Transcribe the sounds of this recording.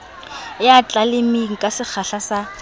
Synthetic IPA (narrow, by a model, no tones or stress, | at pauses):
jat͡ɬʼalɪmiŋ̩kʼasɪk͡xʰaɬasa